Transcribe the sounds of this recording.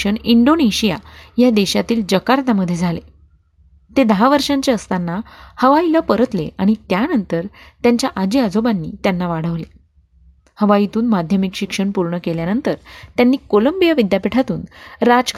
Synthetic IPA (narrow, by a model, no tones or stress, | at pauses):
əɳiɳɖoneɕijajad̪eɕat̪iːld͡ʑəkaɾd̪aməd̪ʱːjed͡zʱale | t̪ed̪əɦaʋəɾʂaɲt͡ɕeəst̪anːahəʋailapəɾət̪leaɽ̃it̪janənt̪əɾt̪jaɲt͡ɕjaʔad͡ʑiad͡zobanːḭːt̪janːaʋaɽ̤əʋle | həʋait̪uːnmad̪ʱjəmikɕikʂəɳpuɾɳəkeljanənt̪əɾt̪janːiːkoləmbijaʋid̪japiʈʰat̪ṵːnɾad͡zkʰ